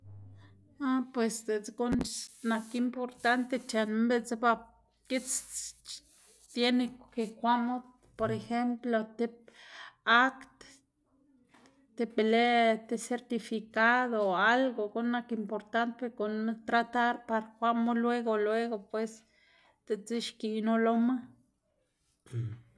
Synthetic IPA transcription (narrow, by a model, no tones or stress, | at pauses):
apwesd̪et͡sɡonnakimpoɾt̪ant̪et͡ʃanmbet͡sba | kit͡s | t̪jenekekʷamo | poɾexemplot̪ep̚ | akt̪ | t̪epelet̪eseɾt̪ifikaðoalɡoɡonakimpoɾt̪ant̪epeɾkont̪ɾat̪aɾpaɾakʷamolweɡolweɡopwes | t̪et͡siʃkinoloma